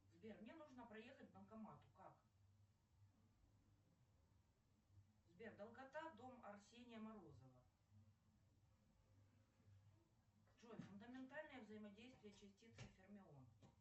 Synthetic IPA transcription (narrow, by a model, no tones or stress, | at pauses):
zbʲermnʲenuʐnəpɾɐje̞xət̚ʲb̪ənˠkɐmat̪ʊkak | zbʲerd̪ɐlˠkɐt̪ad̪o̞mɐrsʲenʲɪjəmɐɾozəvə | ʐolʲfʊnd̪əmʲɪnt̪alʲnəjəvzəjɪmɐdʲejst̪vʲɪjət͡ɕɪsʲtʲit̪sɨfʲɪrmʲɪon